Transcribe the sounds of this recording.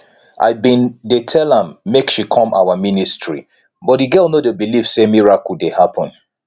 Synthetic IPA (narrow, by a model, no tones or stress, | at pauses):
ʔa̰ɪbĩndetʰɛlãmːekʃikʰɔ̃mʔa̰waministɹḭ | bɔt̚diɡɜlˠnodebilifsemiɹakudehapʰɔ̃n